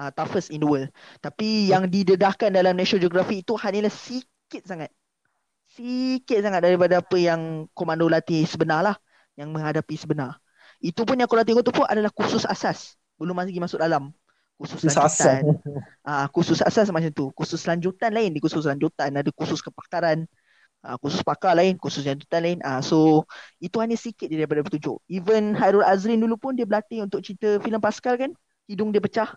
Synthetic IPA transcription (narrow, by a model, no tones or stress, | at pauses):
ət̪afəsindəwəlt̪apijaŋdidədahkandalamnɛʃod͡ʒoɡɾafiːt̪uhalilahsi | kɪt̪̚saŋat̪̚ | sikɪt̪̚saŋat̪̚daɾipadaapəjaŋkomãndolat̪isəbənarlah | jaŋmə̃ŋɦadapisəbənar | it̪upʊnjãŋkolat̪̬iŋot̪upʊnʔadalahkususa̰sas | bəlʊmːasɡimasʊk̚dalam | kususlaɲd͡ʒut̪an | ʔakususa̰sas̬mat͡ʃamt̪ukusʊslaɲd͡ʒut̪anlaɪndikusus̬laɲd͡ʒut̪anadakusʊskəpḁkaɾan | akususpakalaɪnkusʊslaɲd͡ʒut̪anlaɪnʔasoit̪uhaɲasikɪt̪̚didaɾip̬adap̬ət̪ud͡ʒʊ̰ʔivənɦaɾulazɾɪndulupʊndiəbəlat̪ɪŋunt̪ʊʔ̚t͡ʃit̪əfiləmpaskalkan | kidʊŋdiəpət͡ʃah